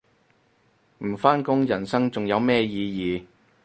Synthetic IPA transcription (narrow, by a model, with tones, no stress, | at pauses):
m̩˨˩faː˥nkʊ˥ŋjɐ˨˩nsɐ˥ŋt͡sʊ˨ŋjɐ˨˧wmɛː˥jiː˨˧jiː˨